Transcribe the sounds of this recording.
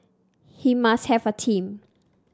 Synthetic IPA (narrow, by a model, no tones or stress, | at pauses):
himast̚hɛvətʰĩm